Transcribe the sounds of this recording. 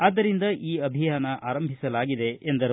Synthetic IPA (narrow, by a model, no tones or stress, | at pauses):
aːd̪ːɐɾind̪ɐʔiːɐbʱijaːnɐʔaːɾɐmbʱisɐlaːɡid̪e̞ʔend̪ɐɾ